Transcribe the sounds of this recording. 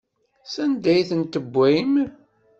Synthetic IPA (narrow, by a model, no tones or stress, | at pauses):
sænd̪æjθənt̪əbʷːæjm